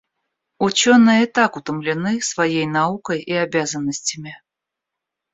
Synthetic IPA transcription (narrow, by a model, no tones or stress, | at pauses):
ʊt͡ɕonɨjət̪akʊt̪əmlʲɪnɨsvɐjejnaukəjiabʲazənːəsʲtʲɪmʲɪ